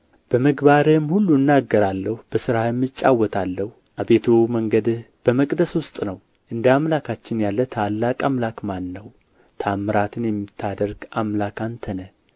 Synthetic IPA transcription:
b̥əməɡbaɾhɨmhulːuɨnːaɡːəɾalːəhubəsɨɾamːɨt͡ʃʼːawːɔt̪ʰalːəhu | ʔabe̞t̪ʰoməŋɡəd̪ | b̥əməkʼd̪əswʊst̪ʼnəw | ʔɨnd̪əamlakʰat͡ʃːɪnjalːət̪ʰalːakʼamlakmanːəw | t̪ʰamːɨɾat̪ʰɨnjɛmːɨt̪ʰːad̪əɾɡamlakant̪ʰənə

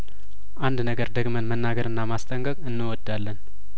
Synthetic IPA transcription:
ʔand̪nəɡəɾd̪əɡmənmənːaɡəɾɨnːamast̪ʰʼəŋkʼəkʼɨnːɨwɔd̪alːən

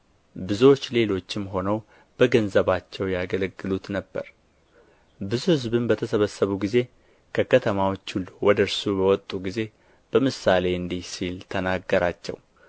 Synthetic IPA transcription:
bɨzo̞t͡ʃːle̞lo̞t͡ʃːɪmɦo̞nəw | b̥əɡənzəβat͡ʃːɛwjaɡələɡːɨlut̪nəbːə̰ɾ | bɨzuhɨzbɨnbət̪ʰəsəβəsːəβuɡize̞ | kʰəkʰət̪ʰəmawot͡ʃːulwɔd̪əɾsubəwɔt̪ʼːuɡize̞ | b̥əmɨsale̞ɨnd̪ihsilt̪ʰənaɡːəɾat͡ʃːɛ̰w

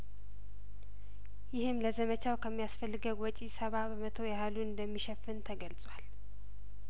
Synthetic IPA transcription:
jɪhɨmləzəmət͡ʃawkʰəmːijasfəlːɨɡəɡwɔt͡ʃʼisəβabəmət̪ʰojahaluɨnd̪əmːiʃɛfːɨnt̪ʰəɡəlsʼwal

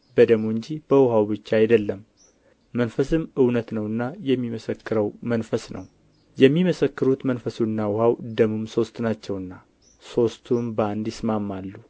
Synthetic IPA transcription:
bəd̪əmuɨɲd͡ʒib̥əwʊɦawbɨt͡ʃːaajd̪əlːəmː | ənfəsɨmɨwnət̪nəwɨnːajɛmːiməsəkːɨɾəwmənfəsnʔə̰w | jɛmːiməsəkːɨɾut̪mənfəsuɨnːawʊɦawd̪əmumso̞st̪nat͡ʃːɛwɨnːa | so̞st̪ʰumbəand̪jɪsmamːalːu

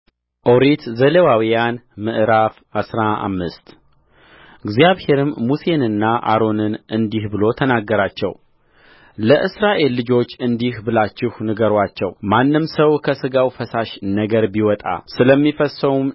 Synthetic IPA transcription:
ʔoɾet̪zəlewawijanmɨʔɨɾaf | asɾaa̰mːɨst̪ | ɨɡzijaβhe̞ɾɨmːuse̞nɨnːaʔa̰ɾo̞nɨnʔɨnd̪ihbɨlo̞t̪ʰənaɡːəɾat͡ʃːɛ̰w | ləʔɨsɾaʔe̞lːɨd͡ʒo̞t͡ʃːɨnd̪ihbɨlat͡ʃːɪhnɨɡəɾwat͡ʃːɛ̰wmanːɨmsəwkʰəsɨɡawfəsaʃnəɡəɾbiwɔt̪ʼa̰sɨləmːifəsəwum

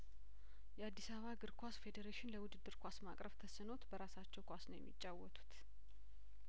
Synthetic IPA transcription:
jɛad̪ːisaββaɡɨɾkʰʷasfe̞d̪eɾeʃɪnləwʊd̪ɨd̪ːɨɾkʰʷasmakʼɾəβt̪ʰəsɨno̞t̪bəɾasat͡ʃːɛwkʷasnəwjɛ̰mːḭt͡ʃʼːawːɔt̪ʰʼu̥t̪

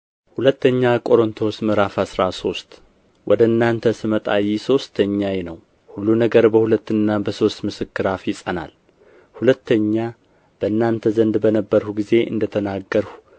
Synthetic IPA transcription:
hulət̪ːəɲːakʼo̞ɾont̪ʰo̞smɨɾafasɾaso̞st̪ | wʔɔd̪əɨnːant̪ʰəsɨmət̪ʼajiso̞st̪ʰəɲːajenəw | hulːunəɡəɾbəhulət̪ːɨnːabəso̞st̪mɨsɨkːɨɾafjɪsʼəna̰l | hulət̪ːəɲːa | b̥əɨnːant̪ʰəzənd̪bənəbːəɾhuɡize̞ʔɨ̰nd̪ət̪ʰənaɡːəɾhu

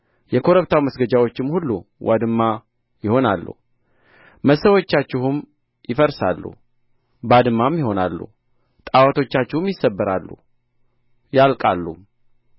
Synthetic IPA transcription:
jɛkʰo̞ɾəβt̪ʰawməsɡəd͡ʒawo̞t͡ʃːɪmhulːṵwʔa̰d̪ɨmːa | jɪho̞nalːṵ | məsəwo̞t͡ʃːat͡ʃːɪhum | jɪfəɾsa̰lːṵ | bad̪ɨmːamjɪho̞na̰lːṵ | t̪ʼawat̪ʰo̞t͡ʃːat͡ʃːɪhɨmjɪsːəbːəɾa̰lːṵ | jalkʼalːum

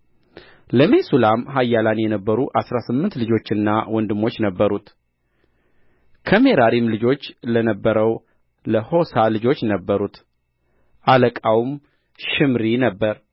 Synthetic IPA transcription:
ləmesulamɦajːalanjɛnəbːəɾuʔasɾasɨmːɨnt̪lɨd͡ʒo̞t͡ʃːɨnːawɔnd̪ɨmːo̞t͡ʃːnəbːəɾut̪ | kʰəme̞ɾaɾimlɨd͡ʒo̞t͡ʃːlənəbːəɾəw | ləho̞salɨd͡ʒo̞t͡ʃːnəbːəɾut̪ | ʔaləkʼawm | ʃɪmɾinəbːəɾ

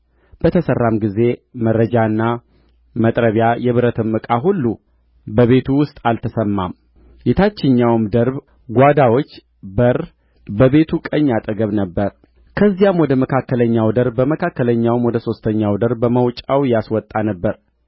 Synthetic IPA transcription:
b̥ət̪ʰəsərːamɡize̞məɾːəd͡ʒaɨnːa | mət̪ʼɾəβjajɛβɨɾət̪ʰɨmːɨkʼaɦulːu | bəβe̞t̪ʰuwʊst̪ʼalt̪ʰəsəmːam | jet̪ʰat͡ʃːɪɲːawmd̪əɾb | ɡʷad̪awo̞t͡ʃː | bəɾ | bəβe̞t̪ʰukʼəɲːat̪ʼəɡəβnəbːəɾ | kʰəzːijamwɔd̪əməkʰakːələɲːawd̪əɾbːəməkʰakːələɲːawmwɔd̪əso̞st̪ʰəɲːawd̪əɾbːəməwt͡ʃʼawjaswɔt̪ʼːanəbːəɾ

